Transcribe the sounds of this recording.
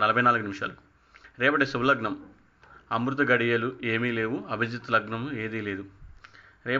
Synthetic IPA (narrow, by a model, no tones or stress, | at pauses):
nɐlɐbʱɐjnaːluɡunimiʂa̰ːlu | ɾɛːpɐʈeːsuwlɐɡɳɐm | ɐmɾut̪̬ɐɡɐɽijɐluʔeːmiːle̞ːʋwuɐbʱid͡ʒ̪ɐt̪lɐɡnɐmue̞ːd̪iːle̞ːd̪u | ɾɛː